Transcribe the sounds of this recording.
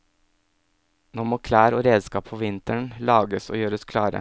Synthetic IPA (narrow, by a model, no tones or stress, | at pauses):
noːmoːkʰlæːɾoːɾeːd̪skɑːpfʰoːʋɪnt̪əɳlɑːɡəso̰ːjøːɾəɔskʰlɑːɾə̰